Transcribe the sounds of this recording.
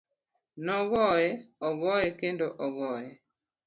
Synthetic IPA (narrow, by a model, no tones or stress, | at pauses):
nɔɣɔjɛɔɣɔjɛkendoʔɔɣɔjɛ